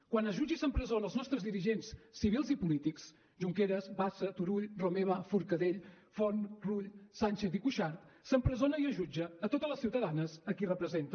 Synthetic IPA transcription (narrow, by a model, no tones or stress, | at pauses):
kwanəʒud͡ʒisəmpɾəzonəlˠznɔst̪ɾəzðiɾiʒensːiβ̞ilˠzipulit̪iks | ʒuŋkeɾəzbasət̪uɾuʎromeβəfuɾkəðeʎ | fɔnruʎsanʲt͡ʃeθikuʃaɾt̪səmpɾəzonəiəʒud͡ʒəːt̪ot̪ələsiwt̪əðanəzəkirəpɾəzent̪ə